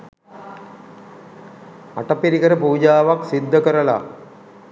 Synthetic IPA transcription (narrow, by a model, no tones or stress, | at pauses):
a̰ʈɐpːiɾikɐɾɐpuːd͡ʒaːʋaksid̪ʱːɐkɐɾɐla̰